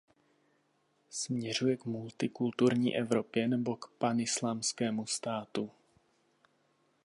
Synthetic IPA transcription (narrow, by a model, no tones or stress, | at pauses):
smɲɛr̝ujɛkmult̪ɪkult̪uɾɲiːʔɛvɾo̞pjɛnɛbo̞kpanɪslaːmskɛːmust̪aːt̪u